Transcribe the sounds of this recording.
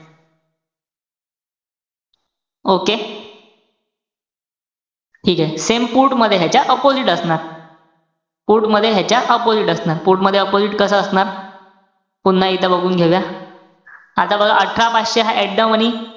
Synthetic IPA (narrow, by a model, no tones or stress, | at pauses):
oke | ʈʰiːkɛsempuɾʈməd̪ʱːjeɦat͡ɕjaʔəpoziʈəsɳaɾ | puɾʈməd̪ʱːjeɦjat͡ɕjaʔəpod͡ziʈəsnaɾpuɾʈməd̪ʱːjeəpod͡ziʈkəsəəsɳaɾ | punːait̪ʰəbəɡʱuːnɡʱeʋja | at̪abəɡʱaʔəʈʰɾapaɕeɦaʔɛʈɖəməñi